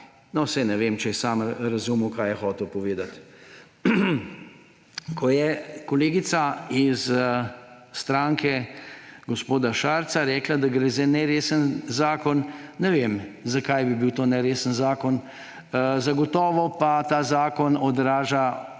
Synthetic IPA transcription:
nɔsɛjnɛʋeːmt͡ʃɛɛsaːmɾɐzuməwkaːjɛxɔːt̪ɛwpɔʋeːd̪at̪ | kʰɔjɛkɔleːɡit̪saiz | st̪ɾaːŋkʰɛ | ɡospoːd̪aʃaːɾt̪saɾɛːklad̪aɡɾɛzɛnɛɾeːsənzaːkɔnːɛʋeːmzakajbibiwt̪oːnɛɾeːsənzaːkɔn | zaɡɔt̪ɔːʋɔpat̪aːzaːkɔnɔd̪ɾaːʒa

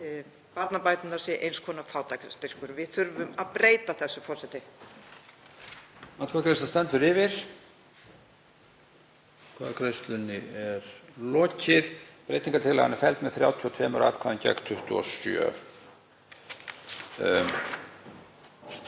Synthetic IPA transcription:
paɾt̪napajt̪nɪnasjɛʔḛjnskʰɔːnafaːwt̪akst̪ɪr̥kʏɾvɪðθʏɾvʏmaðpɾeːjt̪aθɛsːʏfɔrsɛt̪ɪ | at̪kʰaːkɾest̪ast̪ɛnt̪ʏɾɪːvɪɾ̥ | kʰva̰ːðkʰɾest̪lʏnɪɛɾlɔːcɪðpɾejt̪iŋkat̪ʰɪla̰ɣanɪfɛlt̪mɛðθɾja̰ːwt̪ʰiɔt̪ʰvɛːmʏɾa̰fkʰaðɪncɛ̰kt̪ʰʏht̪ʏɔ̰sjœ̰ː

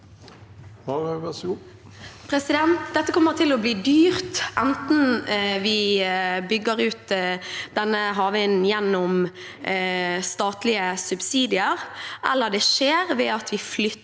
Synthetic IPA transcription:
pʰɾɛsɪd̪ɛnt̪d̪ɛt̪ːəkʰɔmːəʁt̪ʰɪlɔbliːd̪yːʁt̪ʔɛnt̪nʋɪbʏɡːəɾʉːt̪d̪̥ɛnːəɦɑːʋənjɛnːɔm | st̪ɑːt̪lɪəsʉbsiːd̪ɪəʁʔɛlːəʁd̪ɛʃeːʁʋɛɑt̪ʋɪflʏ

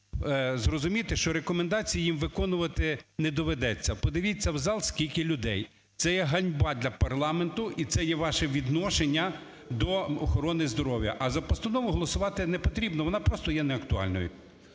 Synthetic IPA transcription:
zrɔzʊmʲit̪ɪʃt͡ʃɔɾekɔmend̪ɑt͡sʲijijimʋɪkɔnʊʋɐt̪ɪnɛd̪ɔʋed̪ɛt͡sʲːɐpɔd̪ɪʋʲit͡sʲːɐwzɑlˠskʲilʲkɪlʲʊd̪ɛj | t̪sɛjɛɦɐnʲbɑd̪ʲlʲɐpɐrlˠɑment̪ʊʔit̪sɛjɛʋɑʃɛʋʲid̪nɔʃenʲːɐ | d̪ɔɔxɔɾɔnɪzd̪ɔɾɔwjɐ̰ʔɐzɐpɔst̪ɐnɔʋʊɦɔlˠɔsʊʋɑt̪ɪnɛpɔt̪ɾʲibnɔʋɔnɑpɾɔst̪ɔjɛnɛɐkt̪ʊɑ̰lʲnɔ̰jʊ

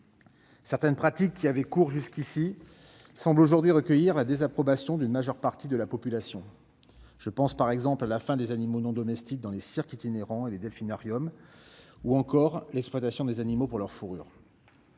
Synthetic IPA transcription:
sɛʁt̪ɛnpχat̪ikːiavɛkuʁʒyskʲisi | sɑ̃bloʒuʁd̪ɥiʁəkʲəjiʁlad̪ezapχɔbasjɔ̃d̪ynmaʒœʁpaʁt̪id̪əlapɔpylasjɔ̃ | ʒ̥əpɑ̃spaʁɛɡzɑ̃plalafɛ̃d̪ezanimonɔ̃d̪ɔmɛst̪ik̚d̪ɑ̃lesiʁkit̪ineʁɑ̃eled̪ɛlfinaʁjɔm | uɑ̃kɔʁlɛkspwat̪asjɔ̃d̪ezanimopuʁlœʁfuʁy̰ːʁ

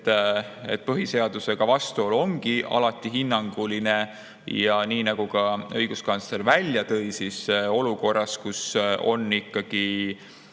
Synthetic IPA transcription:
t̪ːḛt̪̚pɤɦise̞ɑd̪use̞ɡ̥ɑvɑst̪uolo̞ŋɡ̥iɑ̰lɑt̪ːˑiɦinːɑŋɡ̥uline̞ | jɑniːnɑɡ̥uɡɑɤjɡuskɑnsleɾvælʲjɑt̪ɤjsiso̞luko̞rːɑskuso̞̰nːikːɑɡ̥i

